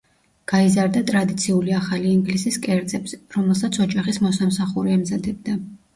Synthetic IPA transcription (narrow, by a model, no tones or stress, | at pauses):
ɡ̥aizaɾd̪at̪ʼɾad̪it̪sʰiuliaχaliːŋɡlisiskʼɛɾd̪szʼɛpsɾɔmɛlˠsat̪sʰɔd͡ʒaχismɔsamsaχuɾiɛmzad̪ɛb̚d̪a